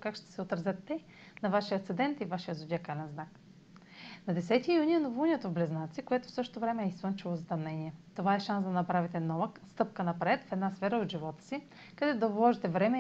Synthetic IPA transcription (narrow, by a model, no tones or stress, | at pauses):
kakʃt̪ɛ̥sɛot̪ɾɐzʲət̪ːɛ | nɐvaʃijət̪sɛd̪ɛnt̪ivaʃijəzodʲjakajnɛnznak | nɐd̪ɛsɛt̪iːjuniɛnovunʲiɛt̪ovblɛznat̪sikoɛt̪o̥fsɤʃt̪ovɾɛmɛːisvɤnt͡ʃivˠozɐt̪ɐmnɛniɛt̪ovaɛʃansd̪ɐnɐpɾavit̪ɛnɔvəkst̪ɤp̚kənɐpɾɛt̪fɛd̪nasfɛɾəot̪ʒivɔt̪ə̥si | kɐd̪ɛt̪od̪ɐvlˠɔʒit̪ɛvɾɛmɛ